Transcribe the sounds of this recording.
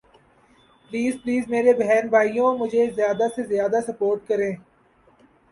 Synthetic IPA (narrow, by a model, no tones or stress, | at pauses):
pliːzpliːzmeːɾebɛɦɛːnbʱaːijõmʊd͡ʒʱezjaːd̪asezjaːd̪asɐpoːɾʈ̚kɐɾẽː